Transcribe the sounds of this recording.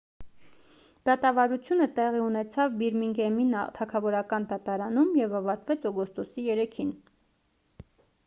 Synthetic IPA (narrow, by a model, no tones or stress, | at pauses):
d̪̥ɑt̪ɑvɑɾut͡sʰjunət̪ɛʁiunɛt͡sʰɑvbiɾmiŋɡɛmint̪ʰɑkʰɑvɔɾɑkɑnd̪ɑt̪ɑɾɑnumjɛvɑvɑɾt̪vɛt͡sʰɔɡɔst̪ɔsijɛɾɛkʰin